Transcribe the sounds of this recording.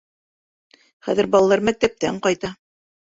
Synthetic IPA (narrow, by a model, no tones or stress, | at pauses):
χæ̰ðɘ̆ɾbɑlˠɑlˠɑɾmæk̚t̪æp̚t̪æɴqɑjt̪ɑ